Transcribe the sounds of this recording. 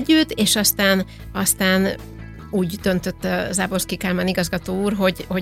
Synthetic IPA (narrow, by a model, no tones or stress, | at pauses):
ɟːyt̪ːeːʃɒst̪aːn | ɒst̪aːn | uːɟd̪ønt̪ø̞t̪ːzaːbo̞rskikaːlmaniɡɒzɡɒt̪oːuːrɦo̞ɟho